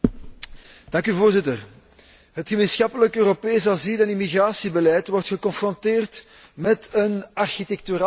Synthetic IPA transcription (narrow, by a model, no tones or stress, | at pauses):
d̥ɑŋkyvoːrzɪtər | ɦətxəmeːnsxɑpələkøːropeːs̬azilɛnimiɣraːsibəlɛjtwɔrtxəkɔnfrɔnteːrt | mɛtənɑrxitɛk̚tyɾa